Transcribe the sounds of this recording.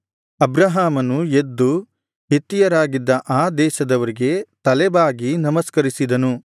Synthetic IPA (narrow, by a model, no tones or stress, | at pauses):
ɐbɾɐɦaːmɐnued̪ːu | ɦit̪ːijɐɾaːɡid̪ːɐʔaːd̪ɛːʃɐd̪ɐʋɐɾiɡe̞t̪ɐlɛbaːɡinɐmɐskɐɾisid̪ɐnu